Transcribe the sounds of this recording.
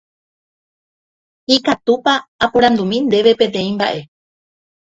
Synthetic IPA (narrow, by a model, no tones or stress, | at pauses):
ikat̪upaːpõɾãnd̪umĩnd̪e̞ʋe̞pẽ̞t̪ẽ̞ĩmba̰ʔe̞